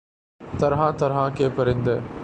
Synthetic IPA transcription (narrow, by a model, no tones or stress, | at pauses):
t̪ɐɾɦãt̪ɐɾɦãkʰeːpɐɾĩnd̪eː